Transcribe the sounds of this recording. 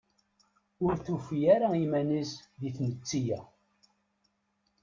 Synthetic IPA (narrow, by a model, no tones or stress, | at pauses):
ʊɾθufijaɾaimænisðiθnət͡sːijæ